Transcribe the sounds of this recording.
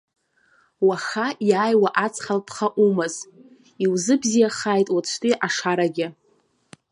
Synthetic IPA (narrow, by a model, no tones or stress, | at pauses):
waχajaːjwaʔat͡sʰʼχalpʰχaʔumɨz | iwzɨbzijaχaːjtʼwat͡ʃʷʰtʼiʔaʂaɾaɡʲɪ